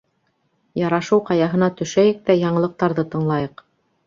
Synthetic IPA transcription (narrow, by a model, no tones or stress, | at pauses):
jɑɾɑʃɤwqɑjɑɦɤ̆nɑt̪ɵ̆ʃæjɘk̚t̪æjɑɴɤ̆lˠɤ̆q̚t̪ɑɾðɤt̪ɤ̆ɴlˠɑjɤq